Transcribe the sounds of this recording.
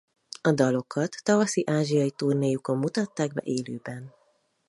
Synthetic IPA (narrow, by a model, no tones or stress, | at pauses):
ɒd̪ɒlo̞kʰɒt̪ːɒvɒsiʔaːʒijɒjit̪urneːjuko̞mːut̪ɒt̪ːaːɡbɛ̰ʔeːløːbɛn